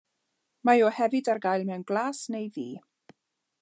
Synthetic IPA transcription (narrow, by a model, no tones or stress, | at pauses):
majɔhɛvɨdarɡajlˠmɛwnɡlˠaːsnejðiː